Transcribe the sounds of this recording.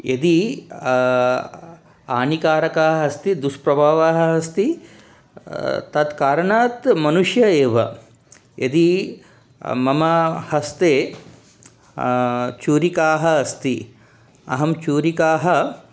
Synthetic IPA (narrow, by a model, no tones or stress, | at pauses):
ed̪i | aːnikaːɾɐkaːɦɐɐst̪id̪uspɾɐbʱaːʋaːɦɐɐst̪i | t̪ɐd̪kaːɾɐɳaːt̪mɐnuʂjɐeːʋɐ | ʔed̪i | mɐmɐhɐst̪eː | t͡ʃuːɾikaːɦɐɐst̪i | ɐ̰ɦɐmt͡ʃuːɾikaːɦɐ